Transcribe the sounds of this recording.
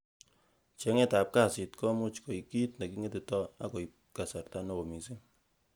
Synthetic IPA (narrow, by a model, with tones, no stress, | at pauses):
t͡ʃe˨˦ŋe˦ta˨p̚ka˦˨sɪ˨tkɔ˦mu˦t͡ʃko˨i˨ki˦tna˨ki˦ŋe˦ti˨tɔ˦a̰˦ko˨i˨ | ka˨sa˨rta˦nɔ˦˨o˨mi˨si˦ŋ